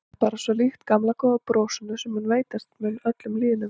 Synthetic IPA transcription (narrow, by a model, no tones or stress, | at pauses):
paːɾasvɔlixt̪kamlakʰɔapɾoːwsʏnʏsɛmhʏnveːjt̪ast̪mɛlœt̪lʏmliːðɪnʏm